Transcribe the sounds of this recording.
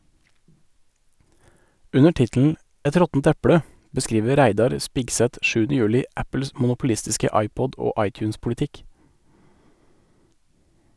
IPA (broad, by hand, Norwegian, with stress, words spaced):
ˈʉnə ˈʈɪtl̩n̩ ˈʔɛt ˈɾɔtn̩t ˈæpɽə bəˈskɾiːʋə ˈɾæɪdɑɾ ˈspɪɡsɛt ˈʃʉːnə ˈjʉːlɪ ˈʔæpl̩s mʊnʊpl̩ˈɪstɪskə ˈɑɪˌpɔd ˈoː ˈʔɑɪˌtjʉːnspʊlɪˌtɪk